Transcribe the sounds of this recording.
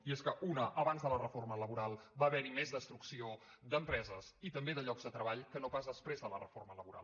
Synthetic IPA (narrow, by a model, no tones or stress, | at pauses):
ieskəʔunəʔəβanzðələrəformələβuɾalˠbaβɛɾimezd̪əst̪ɾuksiod̪əmpɾɛzəsit̪əmbeðəʎɔɡzðd̪ət̪ɾəβaʎkənopazðəspɾezðələrəformələβuɾa̰lˠ